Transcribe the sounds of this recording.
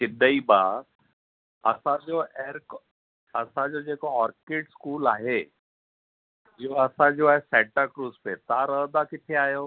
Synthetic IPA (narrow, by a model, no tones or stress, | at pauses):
sɪd̪ʱəiba | ɐ̰sãd͡ʑoeːɾk | ɐsãd͡ʑod͡ʑekoɔːɾkeːɖskuːlaːɦe | ɦiɦoɐsãd͡ʑoaːɦesɛʈəɾkɾuːzpet̪aɾəɦd̪akɪt̪ʰeaːɦjo